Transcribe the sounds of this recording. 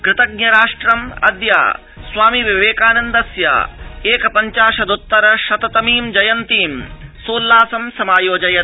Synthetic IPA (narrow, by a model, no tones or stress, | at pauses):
kɾɪt̪ɐɡ̚nɐɾaːʂʈɾɐmɐ̰d̪ja̰ː | sʋaːmiʋiʋeːkaːnɐnd̪ɐsja̰ːeːkɐpɐɲt͡ʃaːʃɐd̪ut̪ːɐɾɐʃɐt̪ɐt̪ɐmiːmd͡ʒɐjɐnt̪iːmsoːlːaːsɐmsɐmaːjoːd͡ʒɐjɐ